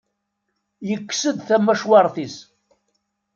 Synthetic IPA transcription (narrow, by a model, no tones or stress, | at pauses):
jəkːsəd̪θæmːæʃwɑɾˤθis